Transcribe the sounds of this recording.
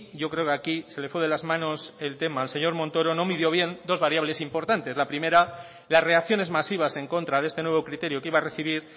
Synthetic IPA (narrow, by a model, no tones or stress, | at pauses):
ɟ͡ʝo̞kɾe̞okeakise̞le̞fweðe̞lazmãno̞se̞lt̪e̞maelse̞ɲo̞ɾmõ̞nt̪o̞ɾo̞no̞mið̞jo̞βje̞nd̪o̞zβaɾjaβle̞simpo̞ɾt̪ant̪e̞zlapɾime̞ɾa | lasre̞ak̚θjo̞ne̞zmasiβ̞ase̞ŋko̞nt̪ɾaðe̞st̪e̞nwe̞β̞o̞kɾit̪e̞ɾjokiβare̞θiβ̞iɾ